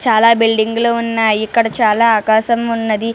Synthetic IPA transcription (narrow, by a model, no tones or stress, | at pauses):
t͡ʃaːlabilɖiŋɡlounːaːjikːɐɽɐt͡ʃaːlaaːkaːsɐmunːɐd̪i